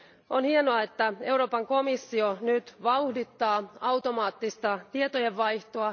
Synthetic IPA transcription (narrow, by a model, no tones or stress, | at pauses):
ʔonhienoɑet̪ːæe̞uwɾo̞ːpɑŋko̞misːio̞nyt̪ʋɑuhdit̪ːɑːɑwt̪o̞mɑːt̪ːist̪ɑt̪iet̪oje̞ʋːɑjht̪oɑ